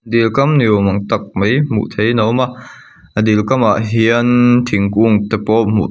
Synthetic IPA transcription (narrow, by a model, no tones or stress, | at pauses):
dilkɐmniwmɐŋt̪ɐk̚mejmṵt̪ʰejnɐwma | ʔad̪ilkɐmaʔɦiənt̪ʰiŋkuŋt̪ɛpɔmṵ